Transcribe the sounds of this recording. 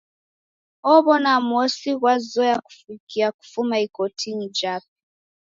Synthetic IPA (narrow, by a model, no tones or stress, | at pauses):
ɔβɔnamuɔsiɣwazɔjaku̥fikiaku̥fumaikɔtʰiɲid͡ʒap̚i̥